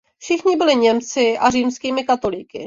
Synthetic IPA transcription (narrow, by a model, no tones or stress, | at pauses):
fʃɪxɲɪbɪlɪɲɛmt͡sɪʔariːmskiːmɪkat̪olikɪ̰